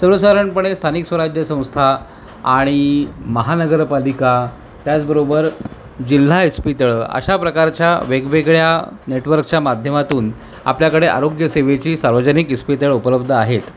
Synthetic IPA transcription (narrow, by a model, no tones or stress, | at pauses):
səɾʋəsaɾəɳpəɳ̃est̪ʰaniksʋəɾad͡ʑjəsə̃w̃st̪ʰa | aɽ̃iməɦanəɡəɾpalika | t̪jat͡sbəɾobəɾ | d͡ʑil̤ːaispit̪əɭə̰ɕapɾəkaɾt͡ɕjaʋeɡʋeɡɭjaneʈʋəɾkt͡ɕjamad̪ʱjəmat̪uːn | a̰pljakəɽeʔa̰ɾoɡjəseʋet͡ɕiːsaɾʋəd͡ʑənikispit̪̬əɭupələb̚d̪ʱəaɦet̪